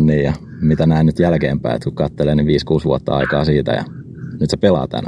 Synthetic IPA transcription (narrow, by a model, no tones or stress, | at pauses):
nniːjjɑ | mit̪ænæinyt̪jælkeːmpæ̰iḛt̪kukkɑt̪ːeleːniʋʋiːskuːsʋuot̪ːɑ̰ɑ̰ikɑ̰ːsiːt̪æ̰jɑ̰ | nyt̪sepelɑ̰ːt̪æ̰næ̰